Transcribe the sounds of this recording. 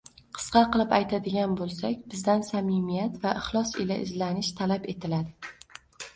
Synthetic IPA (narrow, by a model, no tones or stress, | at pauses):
qʰɨ̥sqɑqʰɨlˠɪpajt̪ʰad̪ɪɡʲanbolˠsakʲbɪzd̪ansamɪmijat̪vaʔɪχlˠɒsɪlaʔɪzlanɪʃt̪ʰalape̞t̪ʰɪlad̪ɪ